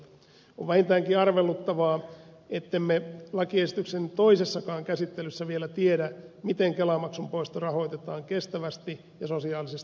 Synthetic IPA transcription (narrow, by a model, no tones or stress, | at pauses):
oʋʋæhint̪æːŋkiɑrʋelːut̪ːɑʋɑːet̪ːemːelɑkiesit̪yksent̪oisesːɑkɑːŋkæsit̪ːelysːæʋielæt̪iedæmit̪eŋkelɑmɑksumpo̞ist̪ɑrɑɦo̞it̪et̪ɑːŋkest̪æʋæst̪i | jɑso̞siɑːlisest̪